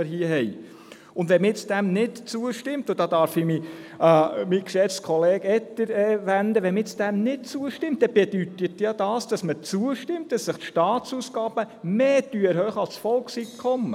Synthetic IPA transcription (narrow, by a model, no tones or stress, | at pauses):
əɾɦiəɦɛj | ʊnd̪ʋɛmɪt͡sd̥æmnɪtt͡suəʃtɪmtod̥ɑd̪ɑɾfɪmi | mikʃɛt͡skʰɔleːɡɛtːəɾɛʋænd̪əʋɛmɪt͡sd̥̪æmnɪtt͡suəʃtɪmt̚d̥ɛb̥ɛd̥̪yt̪ətjɑd̥̪ɑːsd̥ɑsmət͡suəʃtɪmt̚d̥ɑsːəχt̪ʃtɑːt̪t͡susɡɑːb̥ə | meːtyəɾɦœχɑlssfɔlksitkʰɔmːə